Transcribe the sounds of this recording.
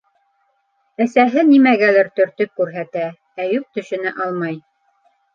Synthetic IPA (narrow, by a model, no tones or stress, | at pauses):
æsæɦɘnimæɡælæɾt̪ɵ̆ɾt̪ɵp̚kʉɾɦæt̪æ | æjʉk̚t̪ɵ̆ʃɘ̆nɘʔɑlˠmɑj